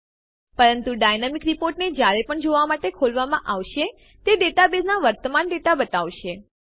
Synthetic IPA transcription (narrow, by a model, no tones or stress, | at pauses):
pəɾənt̪uɖajnamikɾipoɾʈned͡ʒjaɾepəɳd͡ʒoʋamaʈekʰolʋamãʔaʋʃe | t̪eɖeʈabed͡ʒnaʋəɾt̪əmanɖeʈabət̪aʋʃe